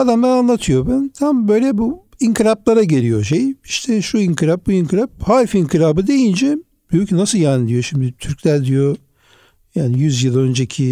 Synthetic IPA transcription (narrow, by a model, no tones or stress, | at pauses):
ad̪amd̪ananlˠat̪ʰɯjo̞bænt̪ʰambø̞jlʲɛbuiŋkiɾaplˠaɾaɟelʲijo̞ʃejiʃt̪ʰɛʃuiŋkʰiɾap̚buiŋkʰɯɾap̚haɾfiŋkiɾaːbɯd̪e̞jind͡ʒɛ | byjycʰynasɯlˠjaːnid̪ijo̞ʃimd̪ɪt̪ʰyɾclʲæɾd̪ijo̞ | jaːnijyzjɯlˠø̞nd͡ʒecʰi